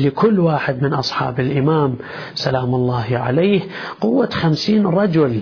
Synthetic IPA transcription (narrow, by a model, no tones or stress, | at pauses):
lɪkʊlːwaːħɪd̪mɪnʔɑsˤħɑ̰ːbɪlʔɪmaːm | salaːmʊlˤːɑːhʕa̰laːh | qʊwːaxamsiːnɾˤɑd͡ʒʊl